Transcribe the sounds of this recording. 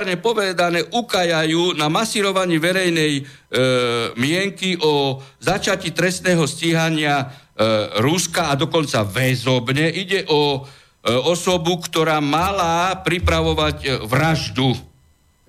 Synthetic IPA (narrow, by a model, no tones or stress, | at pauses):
ɾɲɛpɔʋɛd̪anɛːʔukajajuːnamasiːɾɔʋaɲiːʋɛɾɛjnɛj | mɪɛŋkiʔɔzat͡ʃacit̪ɾɛst̪nɛːɦɔsciɦaɲɪa | ɾuskaːd̪ɔkɔnt͡saʋɛzɔbɲɛʔiɟɛʔɔ | ɔsɔbukt̪ɔɾaːmalapɾipɾaʋɔʋaɟʋɾaʒd̪u